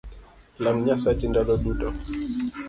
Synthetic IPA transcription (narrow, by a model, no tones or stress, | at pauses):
lam̩ɲasat͡ʃindaɗɔɗutɔ